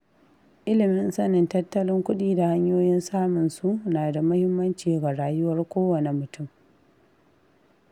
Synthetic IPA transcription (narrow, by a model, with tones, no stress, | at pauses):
ʔɪ˦lɪ˨mɪ˦nsɐ˦nɪ˨ntɐ˦tːɐ˦lɪ˦ŋkʷʊ˦ɗiː˦da˨ha˦ɲjoː˦jɪ˦nsaː˦mʊ˨nsu˦ʔnaː˨da˨mʊ˦hɪ˦mːɐ˦nt͡ʃiː˨ɡa˨ɽaː˦jʊ˦wɐ˦rkʷoː˦wɐ˨ne˨mʊ˨tʊ˦˨m